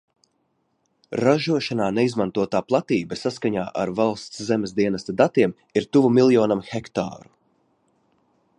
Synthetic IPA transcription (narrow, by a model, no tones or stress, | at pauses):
ɾaʒuɔʃanaːnɛizmant̪uɔt̪aːplˠat̪iːbasaskaɲaːʔaɾvalˠst̪szɛmʲesd̪iɛnast̪ad̪at̪iɛm | iɾt̪uvumilˠjɔːnamxɛkt̪a̰ːɾu̥